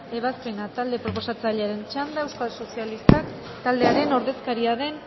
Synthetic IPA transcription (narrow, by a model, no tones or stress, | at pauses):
e̞β̞aspe̞nat̪ald̪e̞pɾo̞po̞sat͡saʎeaɾe̞nt͡ʃand̪aewskalso̞sialist̪ak | t̪ald̪e̞aɾe̞no̞ɾðe̞skaɾiaðe̞n